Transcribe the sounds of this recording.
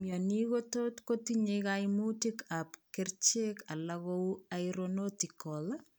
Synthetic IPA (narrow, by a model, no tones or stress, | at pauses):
mjɔnikototkotiɲekajmutikapkɪrt͡ʃekalaɣoajɾonotikːɔl